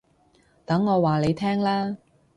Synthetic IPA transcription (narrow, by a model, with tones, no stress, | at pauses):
t̪ɐ˨˥ŋːɔː˨˧waː˨le˨˧jt̪ʰɛː˥ŋlaː˥